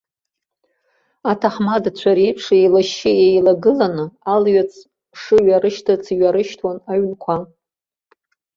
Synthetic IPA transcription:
atʰaχmadat͡ɕʷʰaɾipʰʂejlaʃɪejlaɡɨlanɨalɥat͡sʰ | ʂɨɥaɾɨʃtʰat͡sʰiɥaɾɨʃtʰwanaɥnkʷʰa

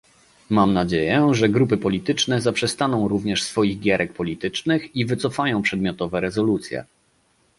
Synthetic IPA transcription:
mamnad͡ʑejɛʐɛɡɾupɘpɔlʲit̪ɘt͡ʂnɛzapʂɛst̪anɔ̃w̃ɾuvɲɛʂsfɔjiɣɡʲjɛɾʔɛk̚pɔlʲit̪ɘt͡ʂnɘxivɘt̪sɔfajɔ̃w̃pʂɛd̪mʲjɔt̪ɔvɛɾɛzɔlut̪sʲjɛ̰

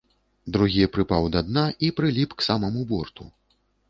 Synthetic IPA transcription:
d̪ɾuɣʲipɾɨpawd̪ad̪naʔipɾɨlʲipksamɐmubɔrt̪ṵ

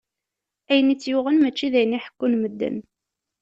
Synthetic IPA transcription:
æjənit͡sːjʊʁənmæt͡ʃːiðæjənːiħə̥kːunməd̪ːə̰n

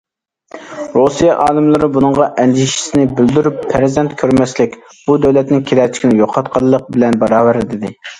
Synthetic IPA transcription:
ɾosijɑʔɑːlˠɨmlˠɨɾɨbunɨɴʁɑʔɛnd͡ʒ̪iʃi̥sɪnɪbɪld̪yɾypʰːæɾzɛnt̪kʲʰøɾmɛslɪkʲ | b̥ud̪ɛwlɛt̪nɪŋkʲʰelɛɾt͡ʃʰkʲinɪjoqʰɑt̪qʰɑlˠːəq̚bɪlɛnbɑɾɑːwæɾɪd̪ɪd̪ɪ

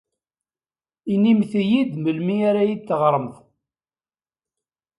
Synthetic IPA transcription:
inːimθijid̪məlmiaɾajid̪θəʁɾˤəmθ

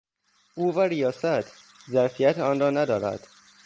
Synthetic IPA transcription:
ʔuːvæɾijɒːsæt̪ʰ | zæɾfijæt̪ʰɒːnrɒːnæd̪ɒːɾæ̰d̪̥

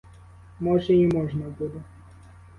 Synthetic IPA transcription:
mɔʐɛimɔʐnɐbud̪ɛ

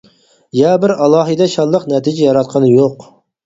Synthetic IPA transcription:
jɑbɪɾɑlˠɑːɦɨd̪ɛʃɑd̪ˠəqnɛt̪ʰid͡ʒɛjɑɾɑt̪̚qʰɑnɨjoq

